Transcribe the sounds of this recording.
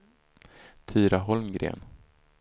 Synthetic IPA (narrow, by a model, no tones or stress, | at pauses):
t̪ʰyːɾaɦɔlmɡɾḛːn